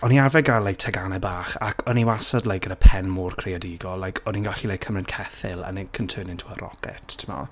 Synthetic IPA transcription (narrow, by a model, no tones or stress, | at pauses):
ɔniavɛɡalaj̚tʰɛɡanɛbaːχa̰kʰɔniwasɔdlajkɡ̥ədəpʰɛnmʊːrkʰrejadiɡɔlːajkʰɔninɡaɬilajkʰəmrɪnkʰɛθɪ̰lˠə̰nɛkʰəntʰøːnɪntʰuəɾɔ̰kɛ̰tʰtʰəmɔ̰